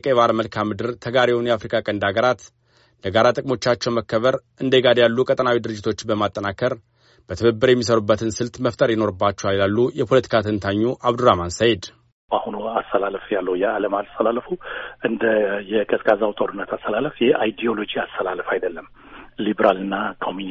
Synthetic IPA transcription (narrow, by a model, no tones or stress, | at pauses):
kʼeβaɾməlkʰamːɨd̪ɨɾt̪ʰəɡaɾewunjɛafɾikʼakʼənd̪aɡəɾat̪ | ləɡaɾat̪ʼɨkʼmo̞t͡ʃːat͡ʃːɛwməkːəβəɾ | ɨnd̪eɡad̪jalːukʼət̪ʼənawid̪ɨɾɨd͡ʒːɪt̪ʰo̞t͡ʃːbəmat̪ʼːənakʰəɾ | b̥ət̪ʰəβəbːɨɾjɛmːis̬əɾubːət̪ʰɨnsɨlt̪məft̪ʰʼəɾjɛno̞ɾɨbːat͡ʃːɛwalilalːujɛpʰo̞lət̪ʰi̥kʰat̪ʰɨnt̪ʰaɲːuʔaβd̪uɾamansajed̪ | bahunuast̪ʰəlaləfjalːəwjɛaləmalst̪ʰəlalːəfuɨnd̪əjɛkʼəsʼkʼazawt̪ʼoɾɨnːət̪ʰast̪ʰəlaləfjɛʔajd̪ijo̞lo̞d͡ʒiast̪ʰəlaləfajd̪əlːəm | libɾalɨnːakʰomi